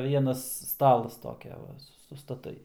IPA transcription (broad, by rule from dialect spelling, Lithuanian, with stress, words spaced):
ˈʋʲiɛnɐs ˈstɑːlˠɐs ˈtoːkʲɛ ˈʋɐ sʊstɐˈtɐɪ